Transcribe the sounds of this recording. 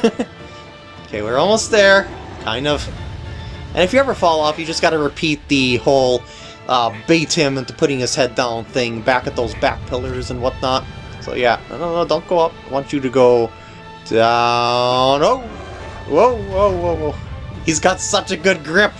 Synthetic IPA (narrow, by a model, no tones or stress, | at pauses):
oʊkʰeɪwɪɹɔlˠmoʊst̪̚ðə˞kʰãɪ̃ndʌv̥ | ʔɨ̰̃ñɨfjɨɛvə˞fɔlˠɔfjɨd͡ʒʌsɡ̥ɑɾɨɹɨpʰit̪̚ðɨhoʊlˠ | ʔʌbeɪɾhɪ̃mɨ̃ntɨpʰʊɾɪ̃ŋɨz̥hɛdãʊ̃nθɪ̃ŋbækɨt̪̚ðoʊzbæ̰k̚pʰɪlˠə˞zə̃nwʌtⁿnət̚so̰ʊjæno̰ʊnoʊnoʊdõʊ̃nɡ̥oʊʌp̚aɪwɑ̃nt͡ʃɨɾɨɡoʊ | d̥aʊʊʊ̃noʊwoʊoʊwoʊwoʊhizɡɑtsʌt͡ʃɨɡʊd̚ɡɹɪ̃p